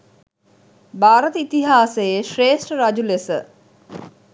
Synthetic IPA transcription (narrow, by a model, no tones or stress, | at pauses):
baːɾət̪əit̪iɦaːsejeʃreːʂʈəɾad͡ʒulesə̰